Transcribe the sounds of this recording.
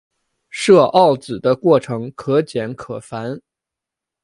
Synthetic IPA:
ʂɤ˥˧ʔɑ˥˩ʊt͡sɹ̩˨˩d̪ə˦kwɔ˥˩ʈ͡ʂʰɤ˧˥ŋkʰɤ˧˥t͡ɕjɛ˧˥nkʰɤ˨˩fa˧˥n

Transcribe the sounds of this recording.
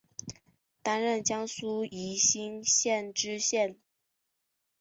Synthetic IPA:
t̪a˥nɻə˥˩nt͡ɕjɑ˥ŋsu˥i˧˥ɕi˥ŋɕjɛ˥˩˨nʈ͡ʂɻ̩˥ɕjɛ˥˩n

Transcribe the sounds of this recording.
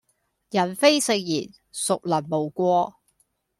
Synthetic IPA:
jɐ˨˩nfe˥jsɪ˨˧ŋ̚jḭː˨˩n | sʊ˨k̚lɐ˨˩nmo˨˩wkʷɔː˧˥

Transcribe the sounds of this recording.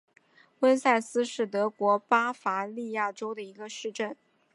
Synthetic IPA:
wə˥nsa˥˩ɪsɹ̩˥ʂɻ̩˥˩t̪ɤ˧˥kwɔ˧˥pa˥fa˧˥li˥˧ja˥˩ʈ͡ʂo˥ʊd̪ə˨i˧˥ɡə˧ʂɻ̩˥˧ʈ͡ʂə˥˩n

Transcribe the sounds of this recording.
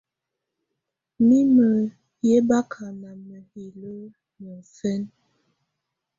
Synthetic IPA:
mi˦mə˨ | je˦ba˦kʰa˨ma˨mə˨hi˨lə˦ | nə˨sə˦n

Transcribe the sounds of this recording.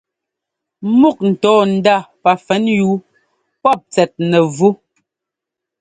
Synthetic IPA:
mu˦˨k̚n̩˨tɔː˨˦n̩˨da˦˨pa˨fɛ˨˦njuː˨˦ | pɔ˦˨p̚t͡sɛ˨t̚nɛ˨vu˦

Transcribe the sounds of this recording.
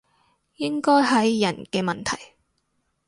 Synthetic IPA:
jɪ˥ŋkɔː˥jɦɐ˨˥jːɐ˨˩nkɛː˧mɐ˨nt̪ʰɐ̰˨˩j

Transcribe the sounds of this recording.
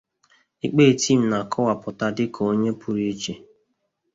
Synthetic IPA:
i˦k͡peː˦˨tʰi˦˨m̩˨na˨kʰɔ˦wa˨pʊ˨ta˦dɪ˦kʰo˨o˦ɲe˦pʰu˦ɾi˦e˦t͡ʃe˨

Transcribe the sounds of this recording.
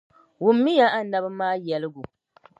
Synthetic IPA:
wʊ˨mːi˦ja˦ʔa˦nː˦a˨ba˦maː˦jɛ˨lɪ˦ɡu˨

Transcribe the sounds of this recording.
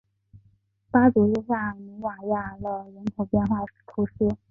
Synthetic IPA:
pa˥t͡su˨˧˥ɻ̩˥˧ɕa˥˩mi˧˥wa˨˩ja˥˩lə˧˩ɻə˧˥nk̪ʰo˨˩ʊpjɛ˥˧nxwa˥˩˥t̪ʰu˧˥ʂ̩˥

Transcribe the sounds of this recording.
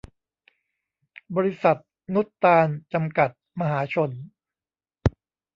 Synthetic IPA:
bɔː˧ɾi˧˥sa˨˩t̪̚ | nu˦˥t̪ːaː˧nt͡ɕa˧mka˨˩t̪̚ma˧ɦaː˩˦t͡ɕʰo˧n

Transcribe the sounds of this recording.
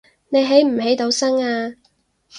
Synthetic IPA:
ne˨˧jɦe˨˥jm̩˨˩he˨˥jt̪o˨˧wsɐ˥ŋaː˧

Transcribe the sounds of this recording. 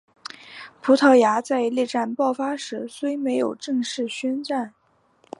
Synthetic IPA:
pʰu˧˥t̪ʰɤ˥˩ja˧˥t͡sa˥˧ɪlɛ˥˧ʈ͡ʂa˥˩npɑ˥˩ʊfa˥ʂɻ̩˧˥swe˥ɪme˧˥ɪjo˨˩ʊʈ͡ʂɤ˥˧ŋʂɻ̩˥˩ɕɥɛ˥nʈ͡ʂa˥˩n

